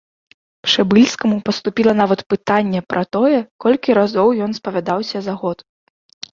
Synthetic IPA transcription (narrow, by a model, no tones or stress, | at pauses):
pʂɛbɨlʲskɐmupɐst̪upʲilˠɐnavɐt̪pɨt̪anʲːɛpɾʔɐt̪ɔjɛkɔlʲkʲiɾazɔwjɔnspɐvʲad̪awsʲɐzaɣɔt̪